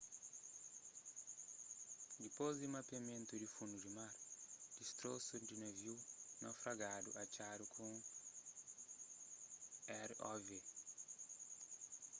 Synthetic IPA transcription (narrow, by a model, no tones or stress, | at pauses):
d̪ipozdimapamẽnt̪udifũnd̪udimaɾd̪̥ist̪ɾosudineviwnawfɾaɡad̪ṵʔat͡ʃadukʰũ | ɛɾɔve